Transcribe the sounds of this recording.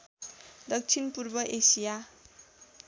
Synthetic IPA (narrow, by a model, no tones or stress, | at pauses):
d̪ʌk̚t͡sʰinpurbʌʔesija